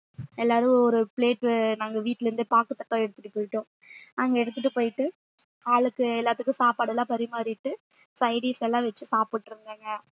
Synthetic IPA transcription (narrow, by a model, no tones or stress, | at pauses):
ɛlːaːɾɯ̃ɔɾɯpleːʈnaːŋɡɐʋiːʈːɪlɾɯnd̪ɯpaːkːɯʈ̪ːɐkːãɛɽɯt̪ːɯʈːɯpːoːjɪʈːʊ̃ː | ɐŋɡɐɛɽɯt̪̬ːɯʈːɯpoːjɪʈːɯ | aːɭɯkːɯɛlːaːt̪ːɯkːɯ̃saːpaːɽɐlãːpɐɾɪmaːɾɪʈːɯ | sɐɪɖisɛlːãːʋɛt͡ʃːɯsaːpɯʈːɾɯŋɡeːŋɡɐ